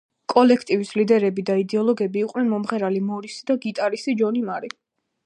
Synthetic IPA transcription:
kʼɔlɛkʰt̪ʼivislid̪ɛɾɛbid̪aid̪ɛɔlˠɔɡɛbiːqʼnɛnmɔmχɛɾalimɔɾisid̪aɡit̪ʼaɾisid͡ʒɔnimaɾi

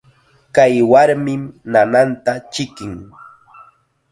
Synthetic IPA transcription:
kajwaɾmɪmnanant̪at͡ʃɪkɪŋ

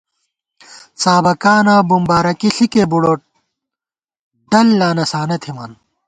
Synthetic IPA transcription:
saːbɐkaːnaːbumbaːɾɐkiɬikebuɽoːʈ̚ | ɖɐlːaːnɐsaːnɐt̪ʰimɐn

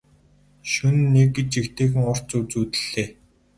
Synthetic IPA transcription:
ʃunːekːit͡ɕikt̪ʰeːxɘ̆ŋʊr̥t͡suːt͡suːt̪ɘ̥̆ɮ̥eː

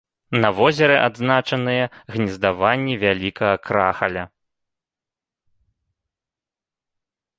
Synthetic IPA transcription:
nɐvɔzʲɛɾɛʔad̪znat͡ʂɐn̪ɨjɛɣnʲizd̪avanʲːivʲalʲikɐɣɐkɾaxɐlʲɐ

